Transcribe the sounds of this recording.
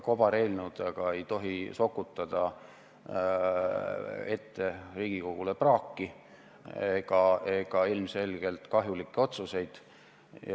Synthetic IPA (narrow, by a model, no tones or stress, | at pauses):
ko̞b̥ɑɾe̞ːlnud̪̥ɑɡ̥ɑe̞jt̪o̞ɦiso̞kːˑut̪ːˑɑd̪̥ɑ | e̞t̪ːe̞riːɡ̥iko̞ɡ̥uleprɑːkːi | eɡ̥ɑe̞ɡ̥ɑilmse̞lɡ̥e̞lt̪kɑɦjulikːˑeo̞t̪suse̞jd̪̥